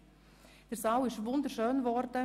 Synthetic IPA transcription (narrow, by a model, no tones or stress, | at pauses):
d̥əɾsɑwɪʃʋʊndəɾʃøːnvɔɾdə